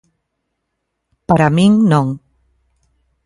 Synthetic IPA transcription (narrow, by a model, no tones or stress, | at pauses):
paɾamiŋnɔŋ